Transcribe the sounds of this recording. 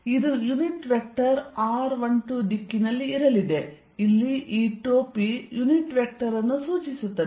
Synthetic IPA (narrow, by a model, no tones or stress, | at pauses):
id̪ujuniʈʋek̚ʈɐɾaːɾʋɐɳʈud̪ikːinɐlːiːɾɐlid̪e̞ | ilːiʔiːʈoːpijuniʈʋek̚ʈɐɾɐnːusuːt͡ʃisut̪ːɐ